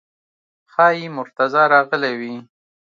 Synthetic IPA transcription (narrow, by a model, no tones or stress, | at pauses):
xɑjimʊɾt̪azɑɾɑɣəlewi